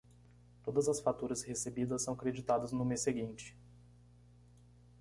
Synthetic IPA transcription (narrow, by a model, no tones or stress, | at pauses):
t̪od̪ɐzɐsfat̪uɾɐshesebid̪ɐssːɐ̃w̃ɐkɾed͡ʒit̪ad̪ɐznʊmesseɡĩnt͡ʃɪ̥